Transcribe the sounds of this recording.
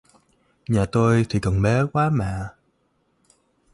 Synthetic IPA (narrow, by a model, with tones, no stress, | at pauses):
ɲaː˨˩t̪o˧jt̪ʰi˨˩kɔ˨˩nɓɛ˨˦kwaː˨˦maː˧˨